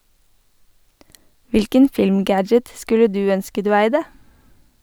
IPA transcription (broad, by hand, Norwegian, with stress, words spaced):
ˈʋɪlkən ˈfɪlmˌɡæd͡ʒət ˈskʉlə ˈdʉː ˈœnskə ˈdʉː ˈæɪdə